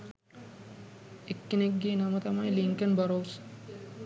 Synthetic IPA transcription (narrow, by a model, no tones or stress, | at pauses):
ekːenekɡeːnamət̪ɐmajliŋkənbaɾows